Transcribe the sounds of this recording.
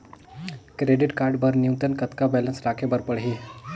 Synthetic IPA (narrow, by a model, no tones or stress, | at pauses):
kɾeɖiʈkaɾɖbəɾnjut̪ənkət̪kabɛlənsɾakʰebəɾpəɽɦi